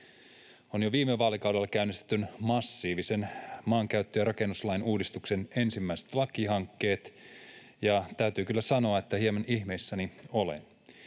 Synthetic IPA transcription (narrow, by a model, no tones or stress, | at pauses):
o̞njoʋiːmːeʋːɑːlikɑwde̞lːɑkæynːist̪e̥t̪ːynmɑsːiːʋise̞nmɑːŋkæyt̪ːøjɑɾɑke̞nːuslɑjnuːdist̪ukse̞ne̞nsimːæise̥t̪lɑkiɦɑŋkːe̞ːt̪ | jɑt̪æyt̪yːkylːæsɑno̞ɑet̪ːæhiemɑnihme̞isːænio̞lḛn